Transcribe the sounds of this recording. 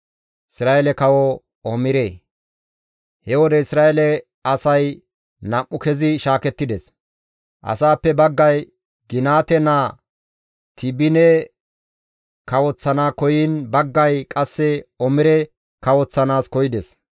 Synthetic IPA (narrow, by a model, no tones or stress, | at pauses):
ɪsɾaːʔɛlɛkɐwɔ | ɔmɪɾeː | hɛwɔd̪ɛɪsɾaːjɛlɛ | ɐsɐj | nɐmːʊkɛzɪʃaːkɛt̪ːɪd̪ɛs | ʔɐ̰saːpːɛbɐɡːɐj | ɡɪnaːt̪ɛna | t̪ɪbɪnɛ | kɐwɔt͡sːɐnaːkɔjinbɐɡːɐjkʼɐsːɛɔmɪɾɛ | kɐwɔt͡sːɐnaːskɔjɪd̪ɛs